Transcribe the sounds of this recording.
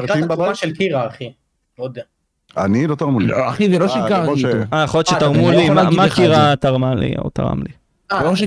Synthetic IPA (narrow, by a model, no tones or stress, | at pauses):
aiammaʃelkiʁaːχi | od̪a | a̰nilot̪aʁmuliaχizeloʃikaajaχoljott͡ʃʃet̪aʁmulimamakiʁat̪aʁmalḭo̰t̪a̰ʁa̰mli | aoaʃ